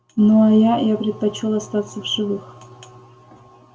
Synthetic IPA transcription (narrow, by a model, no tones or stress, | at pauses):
nojajapɾʲɪt̪̚pɐt͡ɕolˠɐst̪at̪səvʐɨvɨx